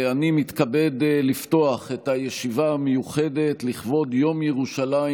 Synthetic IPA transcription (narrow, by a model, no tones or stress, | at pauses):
animit̪kabe̞dlifto̞aχetajeʃivaamejuχe̞de̞tliχvo̞djo̞mjeʁuʃala